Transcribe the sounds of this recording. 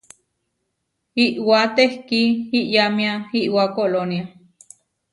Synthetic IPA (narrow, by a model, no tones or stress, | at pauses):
iʔwat̪ehkiiʔjamiahiʔwakolonia